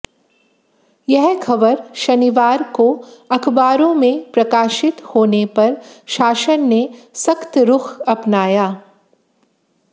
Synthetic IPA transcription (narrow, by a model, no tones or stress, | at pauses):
jɛɦkʰɐbəɾʃɐniʋaːɾkoɐkʰbaːɾõmẽpɾɐkaːʃɪt̪hoːnepɐɾʃaːʃənːesɐkt̪ɾʊkʰɐpnaːjaː